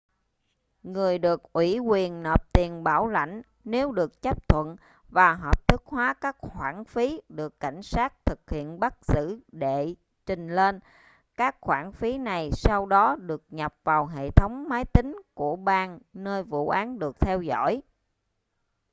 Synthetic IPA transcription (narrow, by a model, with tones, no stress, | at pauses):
ŋɨ˨˩əjɗɨ˨˩ək̚ʔwi˧˩kwi˨˩ənːəː˨˩p̚t̪i˨˩ənɓaː˧˩wla̰˧˩jŋ̟ | ne˨˦wɗɨ˨˩ək̚t͡ɕə˦˥p̚t̪ʰwə̰˧˨n | vaː˨˩ɦəː˨˩p̚t̪ʰɨ˦˥k̚hwaː˨˦kaː˦˥k̚hwaː˧˩nfi˨˦ɗɨ˨˩əkːa˧˩jŋ̟saː˦˥t̚t̪ʰɨ˨˩k̚hḭ˧˨ənɓa˦˥k̚z̥ɨ̰˧˥ɗe˧˩˨ | t͡ɕï˨˩ŋ̟le˧n | kaː˦˥k̚xwaː˧˩nfi˨˦na˨˩jsa˧wɗɔ˨˦ɗɨ˨˩ək̚ɲa˨˩p̚vaː˨˩wɦḛ˧˨t̪ʰə˨˦wŋ͡mmaː˨˦jt̪ï˨˦ŋ̟ku˧˩əɓaː˧nnəː˧jvṵ˧˨ʔaː˨˦nɗɨ˨˩ək̚t̪ʰɛ˧wzɔ̰˧˥˨j